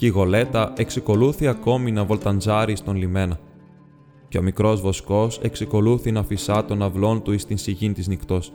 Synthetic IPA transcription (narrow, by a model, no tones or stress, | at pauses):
ceiɣo̞le̞t̪ɐʔe̞ksiko̞luθiɐko̞minɐvo̞lt̪ɐnzɐɾist̪o̞nlime̞nɐ | ce̞o̞mikɾo̞zvo̞sko̞se̞ksɐko̞luθinɐfisɐt̪o̞nɐvlo̞nt̪uist̪insiʝint̪iznikt̪o̞s